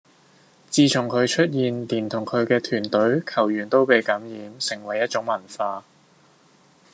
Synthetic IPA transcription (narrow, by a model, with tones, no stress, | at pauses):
t͡siː˧t͡sʰʊ˨˩ŋkʰɵ˨˧ɥt͡ʃʰɵ˥t̚jiː˨˧nliː˨˩nt̪ʰʊ˨˩ŋkʰɵ˨˧ɥkɛː˧t̪ʰyː˨˩nt̪ɵ˨˥ɥkʰɐ˨˩wjyː˨˩nt̪o˥wpe˨˧jkɐ˨˥mjiː˨˧msɪ˨˩ŋwɐ˨˩jɐ˥t̚t͡ʃʊ˨˥ŋmɐ˨˩nfaː˧